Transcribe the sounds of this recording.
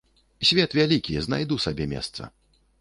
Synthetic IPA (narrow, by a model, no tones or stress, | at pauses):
sʲvʲɛt̪vʲalʲikʲijɛznajd̪usabʲɛmʲɛ̰st̪sɐ̰